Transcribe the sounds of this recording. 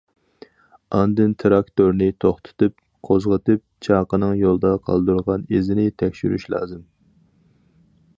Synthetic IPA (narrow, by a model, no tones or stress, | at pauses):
ɑnd̪ɨnt̪ʰɾɑkt̪oɾnɪt̪ʰoχt̪ʰɨ̥t̪ɨp̚ | qʰozʁət̪ɨp̚t͡ʃʰɑːqənɨŋjolˠd̪ɑqʰɑ̰lˠd̪uɾʁɑnezɪnɪt̪ʰɛkʲʃyɾy̰ʃlˠɑ̰ːzɨm